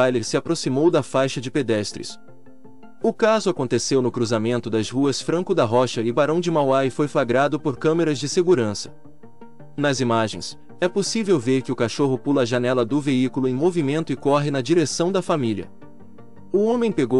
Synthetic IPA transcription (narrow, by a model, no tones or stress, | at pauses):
ajlɪsɪapɾosimowd̪ɐfajʃɐd͡ʒɪped̪ɛst̪ɾɪ̰s | ʊkazʊakõnt̪esewnʊkɾuzamẽnt̪ʊd̪ɐzhuɐsfɾɐ̃kʊd̪ɐɦɔʃɐɪbaɾɐ̃w̃d͡ʒɪmawajfojflaɡɾad̪ʊpoɾkɐ̃meɾɐzd͡ʒɪseɡuɾɐ̃sɐ̥ | nɐzimaʒẽj̃s | ɛposivewveɾkɪʊkaʃoɦʊpulɐːʒɐnɛlɐd̪ʊveikulʊẽj̃movimẽnt̪ʊɪkɔɦɪnɐd͡ʒiɾesɐ̃w̃d̪ɐfamilʲɐ̰ | ʊõmẽj̃peɡo